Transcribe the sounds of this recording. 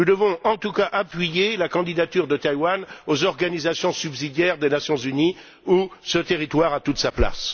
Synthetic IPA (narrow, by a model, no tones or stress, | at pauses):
nud̪əvɔ̃ɑ̃t̪ukaʔapɥijelakɑ̃d̪id̪at̪yʁd̪ət̪ajwanozɔʁɡanizasjɔ̃sybzid̪jɛʁd̪enasjɔ̃zyni | usət̪eʁit̪waʁat̪ut̪sapla̰s